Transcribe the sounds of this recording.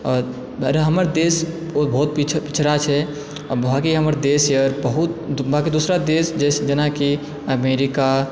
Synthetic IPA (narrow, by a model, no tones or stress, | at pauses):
ɔɾ | ɾɦəməɾd̪esobʱəut̪pit͡ʃʰpit͡ʃʰɾat͡ʃʰɛ | bʱaːkiɦəməɾd̪esjəɾbəɦut̪̚bakid̪usɾad̪esd͡ʒɛsd͡ʒənaki | əmeɾika